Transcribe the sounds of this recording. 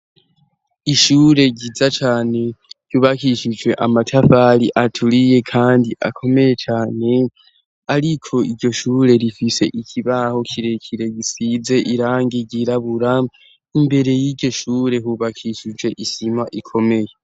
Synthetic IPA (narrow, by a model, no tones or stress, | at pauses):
iʃuːɾe̞ɟizat͡ʃaːne̞ɟ̥uːβakiʃid͡ʒwe̞ʔamatʰafaɾiʔatʰuɾije̞kʰaːndiʔa̰kʰo̞me̞je̞t͡ʃaːne̞ | aɾikʰo̞iɾɟo̞ʃuːɾe̞ɾifise̞ʔicʰiβaho̞kʰiɾe̞cʰiɾe̞ɟisize̞ʔiɾaːŋɡiɟiɾaβuɾa | imbe̞ɾe̞jiɾɟo̞ʃuːɾe̞ɦuβakʰiʃid͡ʒwe̞ʔisimaʔikʰo̞me̞je